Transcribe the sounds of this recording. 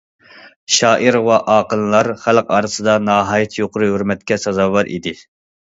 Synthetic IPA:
ʃɑːʔiɾwɑʔɑːqəlˠlˠɑɾχælqɑːɾɨsɨd̪ɑnɑːɦɑːjɛt̪ʰjoqʰʊɾuɦøɾmɛt̪̚kʲɛsɑzɑːwɑɾʔḭd̪ɪ

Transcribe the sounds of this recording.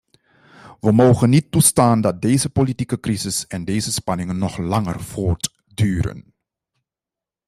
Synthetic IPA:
ʋəmowχənitːustaːndɑt̚dejzəpolitikəkrizɪsɛndeːjzəspɑnɪŋənːɔχlɑŋə̰rv̥oːɹt | dyːɾə̰n

